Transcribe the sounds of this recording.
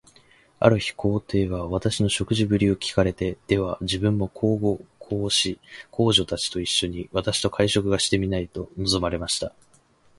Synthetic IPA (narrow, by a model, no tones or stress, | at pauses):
a̰ɾɯ̟çi̥kʰo̞ːt̪e̞ːɡaβ̞at̪aɕino̞ɕo̞kɯ̟ʑibɯ̟ɾʲiokʲi̥kaɾe̞t̪e̞d̪̥e̞β̞ad͡ʑibɯ̟̃mːo̞kʰo̞ːɡokʰo̞ːɕikʰo̞ːʑo̞t̪at͡ɕi̥t̪o̞iɕːo̞ɲ̟iβat̪aɕi̥t̪o̞kʰaiɕo̞kɯ̟ɡaɕi̥t̪e̞mʲinait̪o̞no̞zomaɾe̞maɕi̥t̪a